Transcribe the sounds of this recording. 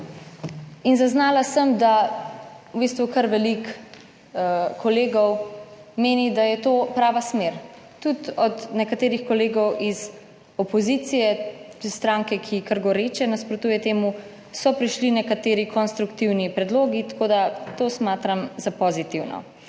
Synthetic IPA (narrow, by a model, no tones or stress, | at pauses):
inzaznaːlasəmd̪a | wbiːst̪ʋukəɾʋɛlik | kʰɔleːɡɔw | meːnid̪ajɛt̪oːpɾaːʋasmeːɾ | t̪ut̪ɔd̪nɛkat̪eːɾixkɔleːɡɔwʔiz | ɔpɔzit̪sijɛist̪ɾaːŋkɛkʰikəɾɡɔɾeːt͡ʃɛnaspɾɔt̪uːjɛt̪eːmu | sɔpɾiʃlinɛkat̪eːɾikʰɔnst̪ɾukt̪iwnipɾɛd̪loːɡit̪ḁkoːd̪at̪oːsmaːt̪ɾamzapɔzit̪iwnɔ̰